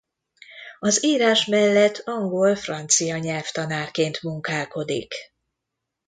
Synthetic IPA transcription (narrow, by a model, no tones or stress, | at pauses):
ɒziːɾaːʃmɛlːɛt̪ʰːɒŋɡo̞lfrɒnt̪sijɒɲɛlft̪ɒnaːrkeːnt̪muŋkaːko̞d̪ḭk